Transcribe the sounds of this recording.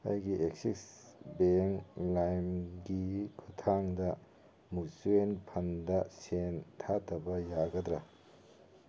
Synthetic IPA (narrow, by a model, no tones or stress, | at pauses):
ha̰jɡiʔek̚siksbeŋlajmɡikʰutʰaŋdɐ | musuenpʰɐndɐsentʰatʰɐbɐjaɡɐdɾɐ